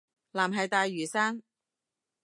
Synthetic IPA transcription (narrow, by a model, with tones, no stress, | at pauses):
laː˨˩mɦɐ˨jt̪aː˨˧jːyː˨˩saː˥n